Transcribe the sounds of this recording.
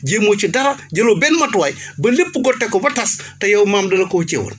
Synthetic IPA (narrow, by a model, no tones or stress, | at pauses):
ɟeːmoːt͡ʃidɐɾɐɟɐloːbɛnmɐtwɐjbɐlepːuɡɔtːɛkɔbɐtɐstɐjɐwmaːmdɐlɐkɔt͡ʃɛ̰wɔ̰n